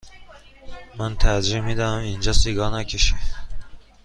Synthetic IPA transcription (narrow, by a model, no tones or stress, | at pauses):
mænt̪ʰæɾd͡ʒimid̪ææmind͡ʒɒːsiɡɒːnækʲʰeʃi